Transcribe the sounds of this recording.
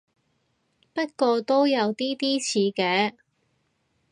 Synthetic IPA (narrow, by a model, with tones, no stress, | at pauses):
pɐ˥t̚kɔː˧t̪o˥wjɐ˨˧wt̪iː˥t̪iː˥t͡sʰiː˨˧kɛː˨˧